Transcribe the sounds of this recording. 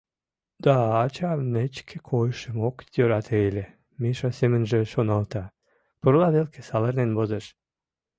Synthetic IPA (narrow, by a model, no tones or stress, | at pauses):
d̪̥ɑːt͡ɕɑmnet͡ɕkʰĕkʰojʃəmokt̪øɾɑt̪ʰejlʲe | miʃɑsemənʒĕʃonɑlt̪ɑ | puɾlɑðelkʰe̥sɑlərnenbozeʃ